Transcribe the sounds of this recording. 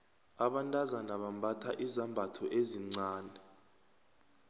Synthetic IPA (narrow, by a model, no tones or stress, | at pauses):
aɓantʼazanaɓambʱatʰaʔizambʱatʰɔʔeziŋ͡ǀaːnɛ